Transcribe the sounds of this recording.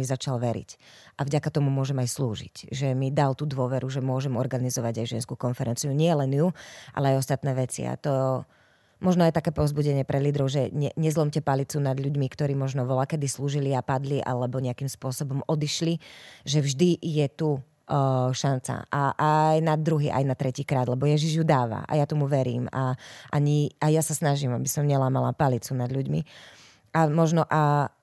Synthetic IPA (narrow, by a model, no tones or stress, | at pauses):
izat͡ʃalʋɛɾḭc | ʔavɟakat̪ɔmumʊɔʒɛmajsluːʒḭcʒɛmid̪alt̪ud̪ʊɔʋɛɾuʒɛmʊɔʒɛmɔɾɡanizɔʋaɟajʒɛnskukɔnfɛɾɛnt͡siuɲɪɛlɛnjuʔa̰lɛajɔst̪at̪nɛːʋɛt͡sḭa̰t̪ɔ | mɔʒnɔajt̪akɛːpɔʊzbuɟɛɲɪɛpɾʔɛliːd̪ɾɔʊʒɛɲɛɲɛzlɔmcɛpalit͡sunad̪ʎuɟmikt̪ɔɾiːmɔʒnɔʋɔlakɛd̪isluːʒiliapad̪liʔa̰lɛbɔɲɛakimspʊɔsɔbɔmɔd̪iʃliʒɛvʒd̪ijɛt̪u | ʃant͡sa̰ʔaʔajnad̪ːɾuɦiːʔa̰jnat̪ɾɛciːkɾaːd̪lɛbɔjɛʒiʒjud̪aːʋa̰ʔa̰jat̪ɔmuʋɛɾḭːmaʔaɲiajasasnaʒimabisɔmɲɛlaːmala̰palit͡sunad̪lʎuɟmi | amɔʒnɔʔa